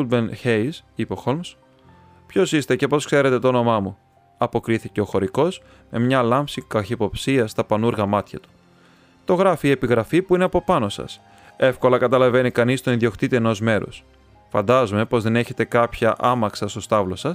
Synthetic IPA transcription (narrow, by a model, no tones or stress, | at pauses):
ud̪̚bençesipeo̞xo̞lms | pço̞sist̪e̞ce̞po̞skse̞ɾe̞t̪e̞t̪oono̞mɐmu | ɐpo̞kɾiθice̞o̞xo̞ɾiko̞s | me̞mɲɐlɐmfsikɐçipo̞psiɐst̪ɐpɐnuɾɣɐmɐt̪çɐt̪u̥ | t̪o̞ɣɾɐfiːepiɣɾɐfipuineɐpo̞pɐno̞sɐ̰s | e̞fko̞lɐkɐt̪ɐlɐve̞nikɐnist̪oinðio̞kt̪it̪ieno̞zme̞ɾo̞̰s | fɐ̰nd̪ɐzume̞po̞zðe̞ne̞çe̞t̪e̞kɐpçɐʔɐmɐksɐst̪o̞st̪ɐvlo̞sɐs